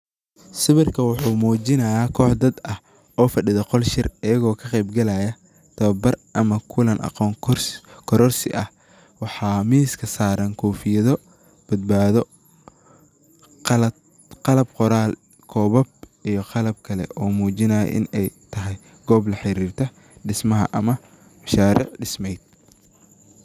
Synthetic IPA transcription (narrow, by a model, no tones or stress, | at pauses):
sɪβɪrkʰɐwʊħuːmuːt͡ʃɪnɐjaːkʰɔːħd̪ɐd̪ɐh | ʔɔːfɐɖɪðɐqɔlʃɪrɐjɐɣɔːkʰɐqɛjbɡɐlaːjɐ | t̪ʰɐβɐbɐrʔɐmɐkʰʊlɐnʔɑ̰qɔːŋʰrkʰɔɾɔrsɪ̰ʔɐh | wɑħɑːmiːskʰɐsaːɾɐŋkʰɔːfɪjɐðɔ | b̥ɐd̪̚baːðɔ | qlɐ | qɑlɐbqɔɾaːl | kʰɔːβɐb̚ijɞqɑlɐb̚kʰɐlɛ̰ʔɔːmuːt͡ʃɪnɐjɐ̰ʔɪ̰nɛjt̪ʰɐɦɛj | ɡ̥ɔːblɐħɪɾiːrt̪ʰɐ | ɖɪsmɐɦɐ̰ʔɐmɐ | mɐʃaːɾɪ̰ʕɖɪsmɛjd̪̚